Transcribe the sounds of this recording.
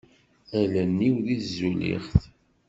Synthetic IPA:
ælənːiwðizːulḭχθ

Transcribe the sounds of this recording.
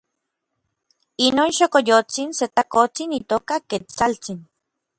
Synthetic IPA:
inoːnʃokojot͡sinset̪akot͡sinit̪oːkaket͡salt͡sin

